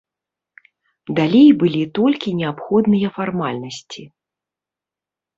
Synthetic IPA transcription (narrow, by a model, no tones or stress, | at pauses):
d̪alʲejbɨlʲit̪ɔlʲkʲinʲɛapxɔd̪nɨjɐfarmalʲnɐsʲt͡sʲi